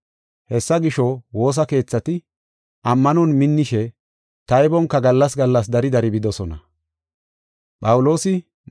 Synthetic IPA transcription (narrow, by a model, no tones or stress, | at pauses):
hɛsːɐɡɪʃɔwo̞ːs̬ɐke̞ːt͡sːɐt̪ɪ | ʔɐmːɐnɔnmɪnːɪʃɛ | t̪ɐjbɔŋkːɐɡɐlːɐsɡɐlːɐs̬d̪ɐɾɪd̪ɐɾɪbɪd̪ɔsɔnɐ̰ | ɓɐwʊlo̞ːsɪ